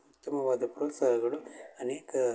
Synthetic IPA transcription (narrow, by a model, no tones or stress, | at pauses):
ut̪ːɐmɐʋaːd̪ɐpɾoːt̪saːɦɐɡɐɭuɐneːkɐ